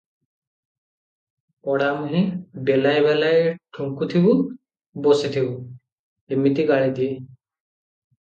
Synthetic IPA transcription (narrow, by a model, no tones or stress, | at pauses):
pɔɽamuɦĩɖelajbɛlajʈʰuŋkut̪ʰibu | bosit̪ʰibu | emit̪iɡaɭid̪ie